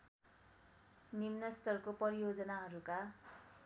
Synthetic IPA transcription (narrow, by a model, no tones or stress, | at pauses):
nimnʌst̪ʌrkopʌɾijod͡zʌnaɦʌɾuka